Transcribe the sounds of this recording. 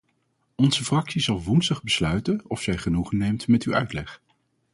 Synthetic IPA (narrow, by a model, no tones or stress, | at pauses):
ɔnzəfrɑksizɑlˠʋunstəχbəslœɥtənɔfsɛjχənuχənejmtmɛtywœ̰ɥtlɛχ